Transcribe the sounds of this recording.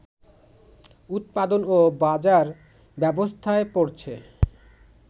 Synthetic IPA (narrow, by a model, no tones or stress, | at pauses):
ut̪̚pad̪onobad͡ʑaɾ | bɛbost̪ʰaepoɾt͡ɕʰe